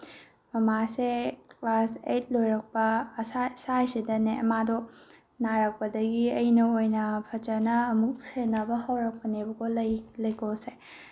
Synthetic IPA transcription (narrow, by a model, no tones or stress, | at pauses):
mɐmasekklasejt̚lojɾɐk̚pɐsasajsidɐneɐmadɔ | naɾɐk̚pɐdɐɡiɐinɐojnɐpʰɐt͡ʃɐnɐːmuk̚senɐbɐhɐwɾɐk̚pɐnebɐɡolɐjlɐjkolse